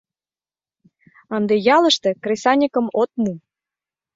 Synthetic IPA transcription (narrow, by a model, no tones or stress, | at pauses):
ɑnd̪ejɑlə̆ʃt̪ĕkrʲesɑnʲikə̆mot̪̚mu